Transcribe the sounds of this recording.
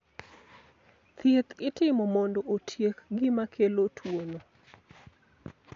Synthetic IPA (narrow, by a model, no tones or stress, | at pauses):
t̪jet̪ɪtɪmɔmɔndɔʔotʰjekɡɪmakʰelotʰwono